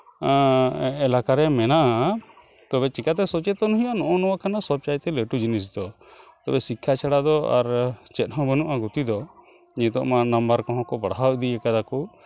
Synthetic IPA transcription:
ɛlakaɾɛmɛnaʔa | t̪ɔbɛt͡ʃikat̪ɛsɔt͡ʃɛt̪ɔnɔɦijanɔʔɔnɔwakʰanasɔb̚t͡ʃajt̪ɛleʈud͡ʒinis̬d̪ɔ | t̪ɔbɛsikʰːat͡ʃʰaɽad̪ɔa̰ɾt͡ʃɛt̪̚ɦɔ̃bənuʔaɡut̪id̪ɔ | d͡ʒɛt̪ɔ̰ʔmanambəɾkɔɦɔ̃kɔbaɽɦawd̪iɛkad̪aku

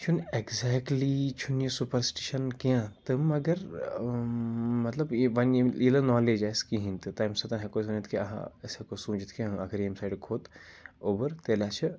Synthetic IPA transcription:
t͡ʃʰunekzɛːkʈlit͡ʃʰunjisupəɾsʈiʃɐnkiãt̪ɨmɐɡɐɾ | mɐt̪lɐbʋɐnilɐnɔːleːd͡ʒaːjskiɦĩnt̪ɨt̪aːjmsɐt̪ɐnɦɐkosũːnd͡ʒit̪ʰkiɐ̰ɦã̰ɐsekosũːd͡ʒit̪ʰkiãɐɡəɾemsaːjɖkʰoːt̪oːbɐɾt̪eːlaːt͡ʃʰɐ

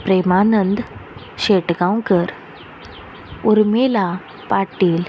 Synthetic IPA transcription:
pɾemanənd̪ | ɕeʈɡawkəɾ | uɾmela | paʈiːl

